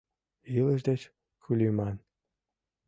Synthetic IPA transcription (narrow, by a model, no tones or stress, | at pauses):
ilə̆ʒd̪ĕt͡ɕ | kʰylʲymɑn